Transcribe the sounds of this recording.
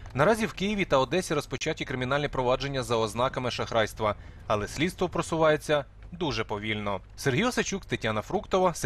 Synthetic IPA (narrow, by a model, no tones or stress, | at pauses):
nɐɾɑzʲiwkɪjiʋʲit̪ɐɔd̪ɛsʲiɾɔspɔt͡ʃatʲikɾɪmʲinɑlʲnʲipɾɔʋɑd͡ʒe̞nʲːɐzɐɔznɑkɐmɪʃɐxɾɑjst̪ʋɐ | ɐlˠɛsʲlʲid̪st̪ʋɔpɾɔsʊʋɑjet͡sʲːɐ | d̪uʒɛpɔʋʲilʲnɔ | serɦʲijɔsɐt͡ʃukt̪etʲanɐfɾukt̪ɔʋɐs